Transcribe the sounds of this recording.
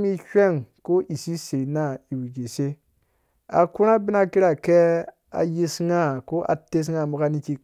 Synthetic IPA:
mi˦ʃʲʷe˦˨ŋko˦ʔi˨si˦se˨na˦i˨wi˨ɡe˨se˦ | a̰˨ku˦ɾa˦bi˦na˦ki˦ɾa˨ke˦ | a̰˨ji˦sŋa˦ko˦ʔa̰˨te˦s̬ŋa˦˨mu˨ka˦ni˦ki˦k̚

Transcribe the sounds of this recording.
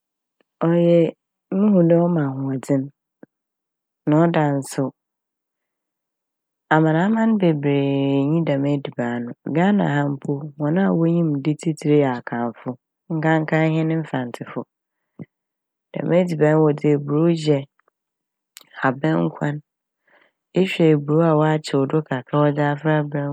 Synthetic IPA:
ɔ˨jɛ˦ | mũ˦hũ˨dɛ˦ɔ˦mã˨ɦʊ̃˨a˨d͡zɪ̃˦n | nã˨ɔ˦da˨n̩˦sʊ˦ | a˨mã˨nã˨˦mã˦n˦be˨bɾe˨ɲĩ˦da˨mɛ˦di˨baː˨nʊ̃˨ɡa˦nã̰˨ɦã˦m̩˦pʰo˦wɔ̃˨nã˦a˨wo˦ɲĩ˦m˨di˦tʰi˦tʰi˨ɾe˦a˨a˨kʰã˨nfʊ˦ | ŋ̩˦kʰã˦ŋ˦kʰã˦ɦɛ̃˦nɪ̃˦m̩˦fã˨n˨tʰɪ˨fʊ˨ | d̥ã̰˨mɛ˦di˨bã˨˦n˦wɔ˨dɪ˦˨bu˨ɾo˦d͡ʑɛ˨ | ha˨bɛ̃˦ŋ˦kʷʰã˦n | e˦ɕᶣɛ˨bu˨ɾo˦a˨wɔ˦a˦t͡ɕʰɪ˨ʊ˨dʊ˦kʰa˨kʰa˦wɔ˦d͡ʑaː˦fɾa˦bɾɛ̃˦

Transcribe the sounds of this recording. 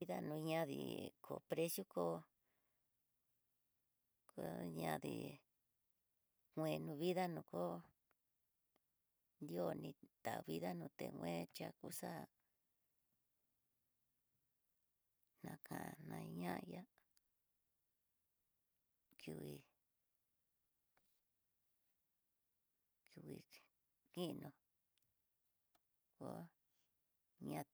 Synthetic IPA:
i˦ða˦nũ˧ɲã˦ðḭ˨kʰo˨pɾe˦sju˦ko˧ | ko˧˦ɲã˧ðḭ˧˨ | ŋʷẽ˧nũ˧βi˦ða˦nũ˧˨ko˦ | nd̪i˦o˦nĩ˧t̪a˨˧βi˦ða˦nũ˧t̪e˨ŋʷwʷẽ˦t͡ʃa˧ku˧˦sa˦ | nã˧kʰã˨ʔnã˧ɲã˦ʔja˦ | ki˧wi˧ | ki˧wi˧˨ | ki˦˧nõ˧ | ko˧˦ | ɲã˧

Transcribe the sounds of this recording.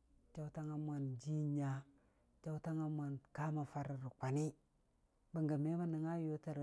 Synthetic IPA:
t͡ʃa˦u˦ta˦ŋa˦mʷa˨nd͡ʒi˦ɲa˦ | t͡ʃa˦u˦ta˦ŋa˦mʷa˨nka˦ma˨fa˦ɾi˨ɾi˨kʷa˨ni˦ | ba˨ŋɡa˨me˦ba˦ni˨ŋa˦jo˦ta˦ɾ

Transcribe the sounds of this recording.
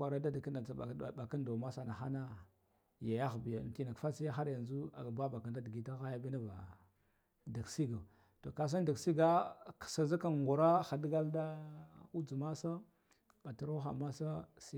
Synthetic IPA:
a˨ɾa˦da˦dki˦na˨˦˨ba˨ka˦ndo˨ma˦sa˨na˨xa˦na˦ | ja˨ja˦xbi˨ja˨n˨ti˦na˨kfa˦si˦ja˦xa˦ɾja˨nzu˦a˨ba˦ba˨ka˨nda˦dɡi˨ta˦ɣa˦ja˦bi˦na˦va̰˨ | da˨ksi˦ɡa˨ | to˨ka˨s̬a˦nda˨ksi˦ɡa˦ksa˨za˦ka˨n˨ɡu˨ɾa˦xa˨dɡa˦lda˦u˦d͡zu˨ma˦sa˦ | ba˨ta˨ɾa˦xa̰˨ma˦sa˦si˦

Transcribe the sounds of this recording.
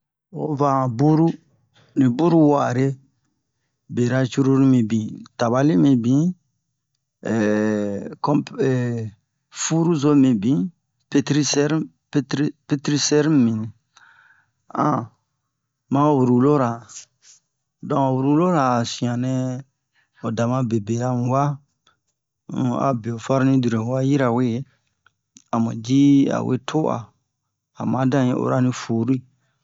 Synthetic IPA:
wo̰˦vã˨bu˦ɾu˦ | nĩ˨bu˦ɾu˦wa˨ɾe˦ | be˨ɾa˦t͡ʃu˦ɾu˦ɾi˦mĩ˨bĩ˨ta˨βa˨li˦mĩ˨bĩ˨˦˨ | kɔ̃˦ɛ˨ | fu˦ɾu˦zo˦mĩ˨bĩ˨˦ | pe˦tɾi˦sɛ˦ɾ | ptɾi˦pe˦tɾi˦sɛ˦ɾi˦mĩ˨nĩ˨ | ã̰˨ | mã˦˨wu˨ɾu˨lo˦ɾa˨ | dɔ̃˨wu˨ɾu˧lo˦ɾa˨sĩ˨ã˨nɛ̃˦ | o˨da˨mã˧be˨be˨a˦m˨˦wa˦˨ | a̰˨be˨o˨fa˦ɾnĩ˦di˨ɾẽ˨wa˦ji˦ɾa˨we˦ | a˨mṵ̃˨d͡ʒi˦a̰˨wʔḛ˦tʰo˦ʔa̰ː˨ | mã˨˦dã˦˨jḭ̃˦ʔo̰˨ɾa˦nĩ˧fu˨ɾu˦i˦

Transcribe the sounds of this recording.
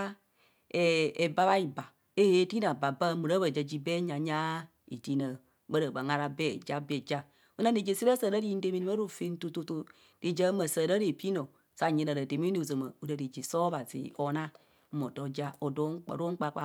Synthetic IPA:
ɛ˨e˨ba˧βa˦i˨ba˨ | e˦e˨˦tiː˦nã˨ba˨bə˧˦mu˨ɾə˦bə˧˨d͡ʒə˧d͡ʒi˧bɛː˦ɲã˨ɲã˦ | i˨tiː˨˦nə̃˨ | ɓə˦ɾə˨bə˨ŋa˧ɾa˧bɛː˦˨d͡ʒa˦bɛ˨d͡ʒa˦ | u˦nã˧˦i˨d͡ʒe˧˨si˦ɾə˦səː˨ɾə˦di˧˦n̩˦de˧mĩ˧˦ĩ˧˦ə˦ɾo˦˨fe˧˦n˦to˧to˧to˧ | d̥i˨d͡ʒə˧˦mə̃˨səː˨ɾə˦ɾe˨pi˦nɔ̃˨ | sa˨ɲɛ̃˨˧ɾə˨˧ɾə˨de˨mĩ˦i˧˨zə˨mə̃˨u˧ɾə˨˧di˨d͡ʒi˨sɔː˦ba˨zḛː˨ɔ˧˨nã˦˨ | mɔ̃˨dɔ˨d͡ʒa˦o˨dɔː˨˦ŋ̩˦k͡pə̰˨ɾo˦ŋ̩˦k͡pa˧˦k͡pa˧˦

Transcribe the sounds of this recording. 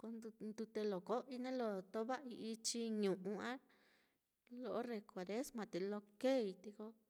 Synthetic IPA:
ko˧n˧nd̪u˧t̪e˧lo˨ko˦ʔi˧nẽ˦lo˧t̪o˦βa˦i˧ʔi˧t͡ʃi˧ɲũ˨ʔũ˧ã˦ | lo˧ʔo˦re˨kʷa˨ɾe˦smã˨˧t̪e˨lo˧ke˦˨i˧t̪i˧ko˧

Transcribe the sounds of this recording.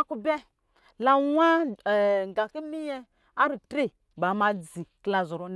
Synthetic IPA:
ku˦bɛ˦ | la˨wa˦˨ | ŋ˨ɡa˨ki˦mi˦jɛ˦ | a˦ɾi˨tɾi˦ | ba˨ma˨d͡zi˨kla˨zo˨ɾo˨n

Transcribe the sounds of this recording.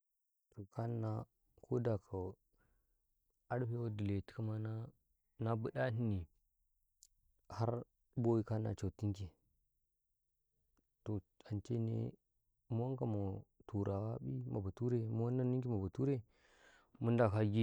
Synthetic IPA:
to˨kʰa˦nːa˨ | kʰo˦da˨kʰa˨ | a˦ɗɸe˦wo˦di˨le˨ti̥˨ka˦ma˦na˦ | na˦bə˦ɗa˦ni˦ni˨ | ha˦ɾ | bo˦wi˦ka˦nːa̰˨t͡ʃa˨ti˦ŋki˨ | to˨ | a˨nt͡ʃḛ˦nḛ˦ | mu˦wa˦ŋka˨mo˨tu˨ɾa˨wa˦ɓi˦ma̰˨ba˨tu˦ɾe˦mu˦wa˦nːa˦ni˦ŋki˦ma˨ba˨tu˦ɾe˦ | mu˦nda˨ka˦ɡi˦

